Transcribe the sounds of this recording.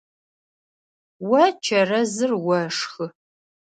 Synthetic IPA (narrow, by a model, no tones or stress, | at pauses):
wɐt͡ʃʰɐrɐzɨrwɐʂxɨ